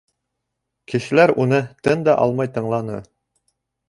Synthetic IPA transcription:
kɘ̆ʃɘ̆læɾunɤt̪ɤnd̪ɑʔɑ̰lˠmɑjt̪ɤ̆ɴlˠɑnɤ̰

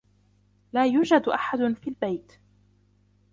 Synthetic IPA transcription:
laːjuːd͡ʒad̪ʔaħad̪ʊfiːlbajt̪

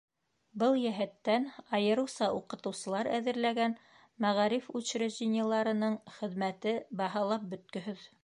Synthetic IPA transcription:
bɤlˠjæɦæt̪ːænɑjɤ̆ɾɤ̆wsɑuqɤ̆t̪ɤ̆wsɤ̆lˠɑɾæ̰ðɘ̆ɾlæɡæn | mæʁɑɾifʉɕɾɘʑinʲɑlˠɑɾɤ̆nɤɴχɘ̆ðmæt̪ɘbɑɦɑlˠɑp̚bɵ̆t̪̚kɵ̆ɦɵð

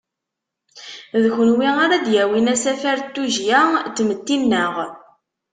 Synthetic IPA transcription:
ðçənwiaɾad̪jæwinæsæfæɾt̪ːuʒjæd̪mət̪ːinːəʁ

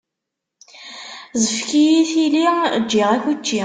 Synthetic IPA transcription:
zəfkijiθilid͡ʒːiʁæçut͡ʃːi

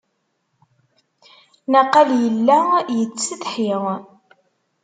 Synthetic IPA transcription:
naqːɑljəlːæjət͡sːəθħiʁ

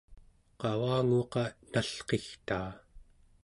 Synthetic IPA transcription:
qɑwaːŋoqɑn̥aɬqext̪aː

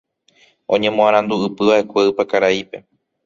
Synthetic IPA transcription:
õ̞ɲẽ̞mõãɾ̃ãnd̪uɨpɨʋaʔe̞kʷeɨpakaɾaipe̞

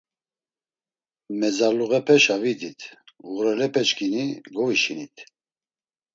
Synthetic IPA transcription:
mɛzaluɣɛpʰɛʃavid̪it̪ʰuɾɛlɛpʰɛt͡ʃkʰiniɡɔviʃinit̪ʰ

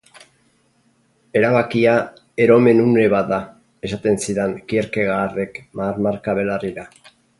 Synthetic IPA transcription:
e̞ɾaβakia | e̞ɾo̞me̞nune̞βaða | e̞sat̪e̞nsiɾeŋkieɾkeɣaːre̞kmaːɾmaɾkaβe̞lariɾa

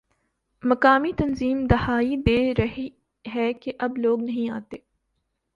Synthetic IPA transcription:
mɐkaːmit̪ɐnziːmd̪ɐhaːid̪eːɾɐɦi | ɦɛkeʔɐbloːɡnɐɦĩaːt̪eː

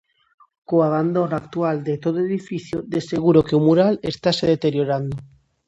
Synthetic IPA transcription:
koaβ̞and̪onakt̪uald̪et̪oðoeðifiθjod̪eseɣuɾokeumuɾalest̪aseðet̪eɾjoɾand̪o

